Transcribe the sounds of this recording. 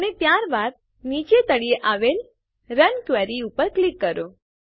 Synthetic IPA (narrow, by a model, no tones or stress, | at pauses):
ənep̪jaɾbaɾ̚ | nit͡ʃet̪əɽieʔaʋel | ɾənkʋɛɾiupəɾklikːəɾo